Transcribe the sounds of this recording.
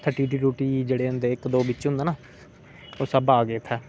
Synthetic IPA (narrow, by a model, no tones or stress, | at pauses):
t̪ʰəʈiːʈiːɾuːʈiːd͡ʒeːɽeːɦʊ̃nd̪eːɪkd̪oːbɪt͡ʃɦʊ̃nd̪aːnaː | oːsəbaːɡeːt̪ʰɛː